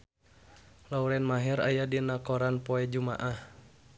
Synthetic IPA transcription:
lauɾɛnmaɦɛɾa̰jadinakɔɾanpɔɛd͡ʒuma̰ʔah

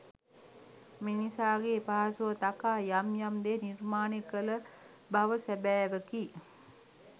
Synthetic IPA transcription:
minisaːɡepaɦasuʋət̪akaːjamjamd̪enirmaːnekələ | baʋəsæbæːʋəkiː

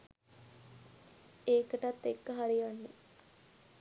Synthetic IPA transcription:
eːkəʈat̪ːekːəɦaɾijanːe

